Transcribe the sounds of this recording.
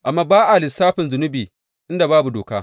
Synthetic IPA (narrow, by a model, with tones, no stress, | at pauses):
ʔa˨mːaː˦baː˦ʔa˨lɪ˨saː˦ɸɪ˨nzʊ˨nʊ˦biː˨ | ʔɪ˦nda˨baː˦bu˨doː˨ka̰ː˦